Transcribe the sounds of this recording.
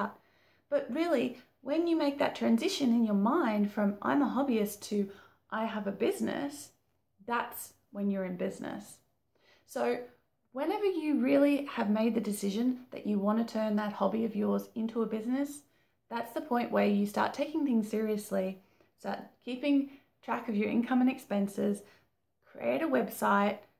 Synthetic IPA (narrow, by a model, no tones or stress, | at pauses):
t̚ | b̥ʌt̚ɹɪlˠi | wɨ̃njɨmeɪk̚ðɨ̰tʰɹ̥æ̃nzɪʃɨ̃nɨ̃njə˞mãɪ̃nd̥fɹʌ̃mʔã̰ɪ̃məɦɑbiɨstʰɨ | ʔaɪəvɨbɪznɨ̰s | ðæts | wɨ̃njə˞ɨ̃nbɪznɨ̰s | soʊ | wɨ̃nɛvə˞jɨɹɪlˠiɨvmeɪd̪̚ðɨdɨsɪʒɨ̃nðɨ̰t͡ʃɨwɑ̃ntɨtʰɜ̃˞nðət̚hɑbiʌvjɔɹzɪ̃ntʰuəbɪznɨs | ðætsðəpʰɔ̃ɪ̃nʔwʔə˞jɨstɑ̰ɹtʰeɪkɪ̃ŋθɪ̃ŋz̥sɪɹiɨsli | stɑ̰ɹt̚kʰipɪ̃ŋ | tʰɹ̥ækʌvjə˞ʔɪ̰̃nkʰʌ̃mɨ̃nɨkspɛ̃nsɪz̥ | kʰɹ̥ḭʔḛɪɾəwɛbsaɪt̚